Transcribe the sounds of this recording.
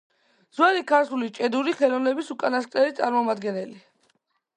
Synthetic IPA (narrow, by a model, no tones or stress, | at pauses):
z̥waɾikʰaɾt̪ʰulit͡ʃʼɛd̪uɾiχɛlɔvnɛbisukʼanaskʼɾɛɾit̪sʼaɾmɔmad̪ɡɛnɛli